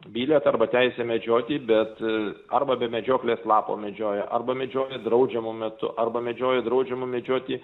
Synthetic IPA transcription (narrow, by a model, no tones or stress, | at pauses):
bʲiːlʲɛt̪ɐrbɐt̪ʲɛɪsʲɛmʲɛd͡ʒʲoːt̪ʲiːbʲɛt̪ɐrbɐbʲɛmʲɛd͡ʒʲoːklʲeːslˠɑːpo̰ːmʲɛd͡ʒʲoːjɛʔɐrbɐmʲɛd͡ʒʲoːjɛd̪ɾɐʊd͡ʒʲɛmumʲɛt̪ʊ̰ʔɐrbɐmʲɛd͡ʒʲoːjɛd̪ɾɐʊd͡ʒʲɛmʊmʲɛd͡ʒʲoːt̪ʲiː